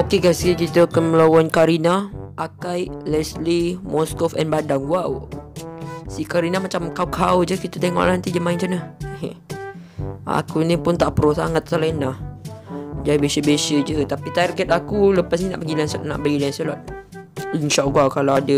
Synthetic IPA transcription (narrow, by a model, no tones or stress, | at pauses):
okekasikit̪əkənməlowankaɾinaʔakajlɛslimɔskɔfɛnbadaŋɡwaw | sikaɾinamat͡ʃamkawkʰawd͡ʒəkit̪ət̪eŋɔ̰ʔlant̪id͡ʒəmaint͡ʃanə | a̰kunĩpʊnt̪aʔpəɾosaŋat̪̚salainlah | d͡ʒaibesəbesəd͡ʒət̪apit̪aɾɡɛt̪akuləpas̬nina̰ʔpəɡilɛnsɔt̪̚na̰ʔbəɡilɛnsɔlɔt̪̚linʃaʔɡuawkalawadə